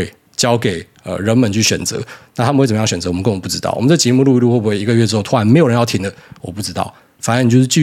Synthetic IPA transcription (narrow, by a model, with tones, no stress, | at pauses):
ɪ | t͡ɕjɑ˦ʊke˨˩ɪ | ə̰˨ɻə˧˥nmə˨˦nt͡ɕʰy˥˩ɕɥɛ̰˨˩nt͡sɤ̰˧˦nna˥˩t̪ʰa˥mə˨xwə˨˩˨jɑ˥˧˩ɕɥɛ˨˩t͡sə˧˦wɔ˨ə˦kə˦nwɔ˨˦pu˥˩ʈ͡ʂɻ̩˥ɑ̰˥˩ʊɔ̰˨mə˦nt͡sːə˩t͡ɕjɛ˧˥mu˥˧lu˧i˥˧lu˥˧xwɔ˥˩bu˧˥xwe˥˩i˧˥ɡə˧ɥɛ˥˩ʈ͡ʂɻ̩˥o˥ʊt̪ʰːa˧˥nm˧˥ɪo˨ɻə˧˦njɑ˥˩ʊtʰi˦ŋd̪ə˨wɔ˨˩pu˥˩ʈ͡ʂɻ̩˥t̪ɑ̰˥˩ʊ | fa˨˩nə˦ni˨t͡ɕjo˧ʊʂ̬̩˥˧t͡ɕy˥˧